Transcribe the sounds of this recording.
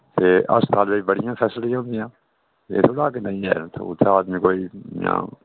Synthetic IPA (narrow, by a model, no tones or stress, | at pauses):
t̪eːʔɐ̰st̪aːlbeibəɽijãːfʰɛːslijãːnd̪ijãː | jḛːt̪ʰolaːkenɐ̃ĩɦɛ̰ːnt̪ʰo̰t̪ʰaːd̪mĩːkoːijã̰ː